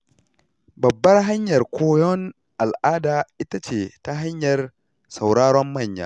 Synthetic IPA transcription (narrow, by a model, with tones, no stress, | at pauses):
bɐ˨bːɐ˦rɦa˦ɲjɐ˨rkʷʰoː˦jɔ˦n | ʔa˨lʔaː˦daː˨ʔɪ˦ta˦t͡ʃeː˨ta˦ɦa˦ɲjɐ˨r | sɐ˨wɽaː˦ɽɔ˦mːɐ˦˨ɲja̰ː˦